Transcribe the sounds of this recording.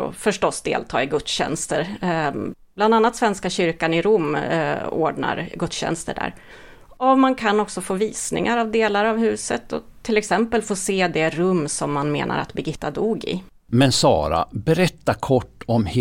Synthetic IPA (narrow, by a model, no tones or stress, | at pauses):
ɔ̰fœʂʈɔsːd̪ḛːlt̪ʰɑːɪɡɵt̪sɕɛ̰nst̪əɾ | b̥land̪anːat̪svɛnskaɕʏɾkanɪɾumː | o̰ːɖɳa̰ɾɡɵt̪sɕɛ̰nst̪ə̰ɖæ̰ːɾ | ɔmankʰanɔksɔfoːviːsnɪ̰ŋaɾavd̪eːlaɾavhʉ̟ːsət̪ɔ̰t̪ʰːɪlɛksɛmpəlfoːseːd̪ɛɾɵmːsɔmːanmḛːnʔa̰ɾa̰t̪bɛɡɪt̪ːad̪uːɡɪ̰ | mɛnsɑ̰ːɾa̰bɛɾɛt̪ːakʰɔʈːɔmh